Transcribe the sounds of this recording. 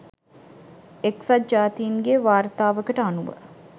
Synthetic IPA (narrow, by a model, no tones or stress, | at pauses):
eksad͡ʒaːt̪ijinɡeʋaːrt̪aːʋəkəʈəanuʋə̰